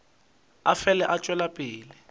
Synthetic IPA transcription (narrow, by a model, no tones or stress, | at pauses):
afɛlɛʔat͡ʃʼwɛlapʼɪːlɪ